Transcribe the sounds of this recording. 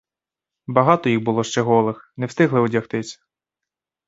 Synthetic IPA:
bɐɦɑt̪ɔjiɣbʊlˠɔʃt͡ʃɛɦɔlˠɪxnewst̪ɪɦlˠɪɔdʲɐxt̪ɪsʲɐ̥

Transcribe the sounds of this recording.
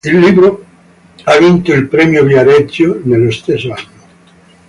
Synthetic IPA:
elːiβɾo | aβint̪oelpɾemjoβjaɾet͡ʃjonelest̪esano

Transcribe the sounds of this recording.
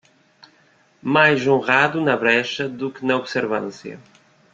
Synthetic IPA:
majʒõʁaðunɐβɾɛʃɐðukɨnɐoβseɾvɐ̰̃nsjɐ̰

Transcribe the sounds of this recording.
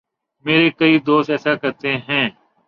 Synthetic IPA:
meːɾekɐid̪oːst̪ɛːsakɐɾt̪eɦɛ̃ː

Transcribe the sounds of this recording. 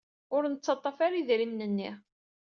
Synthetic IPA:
ʊɾnət͡sːɑt̪ˤːɑfaɾiðɾimnənːḭ

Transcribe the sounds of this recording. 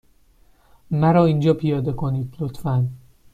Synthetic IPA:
mæɾɒːind͡ʒɒːpʰijɒːd̪e̞kʰo̞niːd̪̚plot̪fæn

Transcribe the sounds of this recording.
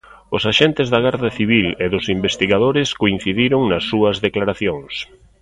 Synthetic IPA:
ʊsaʃent̪ɪzðɐɣ̞aɾðɐθiβileðʊsimbest̪iɣaðoɾɪskoin̟θiðiɾʊŋnɐsːuɐzðeklaɾaθjoŋs

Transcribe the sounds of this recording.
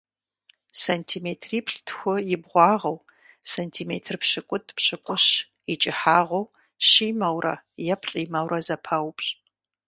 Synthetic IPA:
santʰiːmeːtʰriːpʰɬtʰxʷʊjɪbʁʷɑːʁɐw | santʰiːmḛːtʰrpɕɪkʷʼʊtʰʼpɕɨkʷʼʊɕ | it͡ʃʼɪħaːʁɐw | ʃimɐwrɐ̰ | jɛpʰɬʼiːmɐwrɐzɐpʰɐwpɕʼ

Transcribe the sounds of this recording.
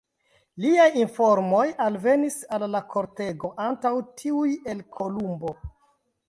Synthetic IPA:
liajinfo̞ɾmo̞jalve̞nisalːakʰo̞ɾte̞ɡo̞ʔantawtʰiuje̞lkʰo̞lumbo̞

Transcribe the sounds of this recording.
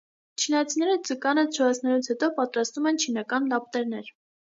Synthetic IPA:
t͡ʃʰinɑt͡sʰinɛɾət͡səkɑnət͡ʃʰəvɑt͡sʰnɛlut͡sʰhɛt̪ɔpɑt̪ɾɑst̪umɛnt͡ʃʰinɑkɑnlɑp̚t̪ɛɾnɛɾ

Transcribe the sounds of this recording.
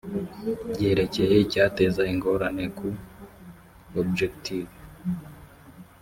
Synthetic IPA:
ɟe̞ːɾe̞ce̞jeicaːte̞ːzaiŋɡo̞ɾane̞kʰu | obd͡ʒektʰiv

